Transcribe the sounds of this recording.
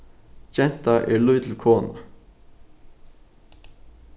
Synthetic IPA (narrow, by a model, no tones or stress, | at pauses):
d͡ʒɛnt̪ɑʔḛːlʉːt̪ʰl̩kʰoːnɑ